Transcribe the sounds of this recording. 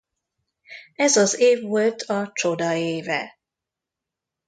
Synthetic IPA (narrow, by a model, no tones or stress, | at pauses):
ɛzɒzeːvːolt̪ʰɒt͡ʃo̞d̪ɒeːvɛ̰